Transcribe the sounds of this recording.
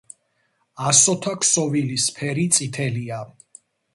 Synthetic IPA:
asɔt̪ʰakʰsɔvilispʰɛɾit̪sʼit̪ʰɛlia

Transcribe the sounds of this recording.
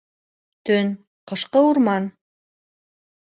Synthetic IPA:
t̪ʰɵn | qʰə̆ʃqəwʊɾmɑn

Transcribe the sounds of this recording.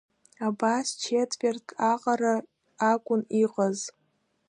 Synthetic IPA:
abast͡ʃʰetʼvʲertʰaqʼaɾa | akʷʼʊniqʼəz

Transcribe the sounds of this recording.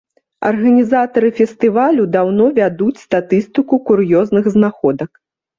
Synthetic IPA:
ɐ̰rɣɐnʲizat̪ɐɾɨfʲɛst̪ɨvalʲud̪awnɔvʲad̪ut͡sʲst̪at̪ɨst̪ɨkukuɾjɔznɨɣznaxɔd̪ɐk

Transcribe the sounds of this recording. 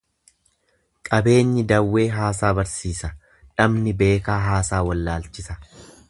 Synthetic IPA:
kʼɐbe̞ːɲːɪd̪ɐwːe̞ːɦaːsaːbɐɾsiːsɐ | ᶑɐmnɪbe̞ːkaːɦaːsaːwɐlːaːlt͡ʃɪsɐ

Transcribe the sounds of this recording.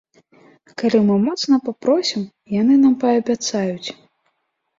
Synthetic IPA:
kalʲimɨmɔt̪snɐpapɾɔsʲim | jan̪ɨnampɐːbʲat̪sajut͡sʲ

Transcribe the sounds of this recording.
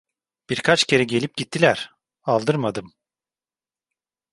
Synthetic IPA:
b̥iɾkʰat͡ʃcʰe̞ɾɛɟe̞lʲip̚ɟit̪ʰːilʲæɾ̥ | alˠd̪ɯɾmad̪ɯm

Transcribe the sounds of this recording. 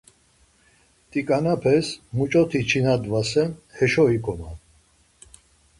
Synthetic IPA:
t̪ʼikʼanapʰɛsmut͡ʃʼɔt̪ʰit͡ʃʰinad̪vasɛnhɛʃɔikʰɔma

